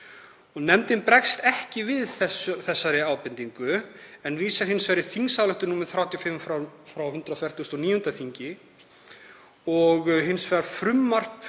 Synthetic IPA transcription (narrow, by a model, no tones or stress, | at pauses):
ɔɣnɛmt̪ɪnpɾɛkst̪ɛhcɪvɪðθɛsθɛsːaɾɪaːwpɪnt̪iŋkʏɛnviːsɛɾ̥hɪnsvɛɾɪθiŋsawlœht̪ʏnuːmɪðθɾaːwt̪jɔfɪmfɾafɾawhʏnt̪ɾawfjɛɾ̥t̪ʰust̪ɔniːjʏnt̪aθiɲcɪ | ɔɣɦɪnsvɛɾfɾʏmːar̥p